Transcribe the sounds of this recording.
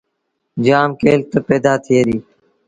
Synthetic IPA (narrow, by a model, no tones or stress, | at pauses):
d͡ʒaːmkeːlt̪əpeːd̪aːt̪ʰɪeːɾiː